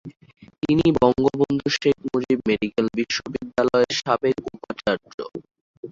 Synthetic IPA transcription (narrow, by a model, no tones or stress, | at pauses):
t̪inibɔŋɡobond̪ʱuʃek̚ʰmod͡ʑibmeɖikelbiʃːobid̪ːalɔeɾʃabekupat͡ɕaɾd͡ʑo̰